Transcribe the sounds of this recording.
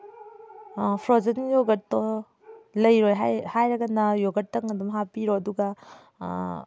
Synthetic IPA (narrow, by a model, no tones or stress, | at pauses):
pʰɾozɐnjoɡɐt̚tɔ | lɐjɾojɦahajɾɐɡɐnɐjoɡɐt̚tːɐŋɐdumɦapiɾoɐduɡɐ